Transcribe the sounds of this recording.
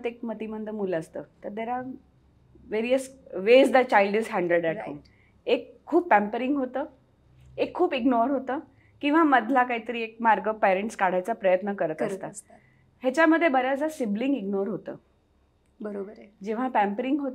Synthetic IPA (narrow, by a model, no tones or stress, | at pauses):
t̪ek̚mət̪imənd̪ʱəmuləst̪ə̰ːt̪əɾd̪eɾa | ʋeɾijəsʋezd̪at͡ɕajlɖizɦæɳɖəɭɖɛʈɦo̰ːm | ekʰːuːpːæmpəɾĩŋɡɦot̪əː | ekʰːuːpiɡnoɾɦot̪əː | kĩw̃ʋ̤aməd̪ʱlakaɦit̪əɾiːek̚maɾɡəpɛɾeɳʈskaɽ̤ajt͡sapɾəjət̪nəkəɾət̪əst̪a | hjat͡ɕjaməd̪ʱːjebəɾjad͡zasibliŋɡiɡnoɾɦot̪ə̰ː | bəɾod͡ʑeʋ̤apæ̃mpəɾiŋɡɦot̪